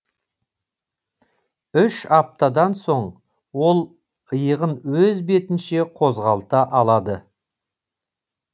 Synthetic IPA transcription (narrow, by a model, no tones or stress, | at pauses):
ʏʃɑp̚t̪ɑd̪ɑnso̞ɴ | wo̞lˠ | əjəʁənwɵzbe̞t̪ɪnʃe̞qʰo̞zʁɑlˠt̪ɑʔɑlˠɑd̪ə